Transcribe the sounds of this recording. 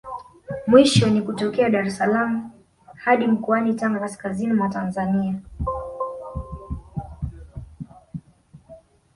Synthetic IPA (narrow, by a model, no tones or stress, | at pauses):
mwiʃɔnikutɔkɛaɗaɾɛsalamu | haɗim̩kɔanitaŋɡakaskazinimwatanzania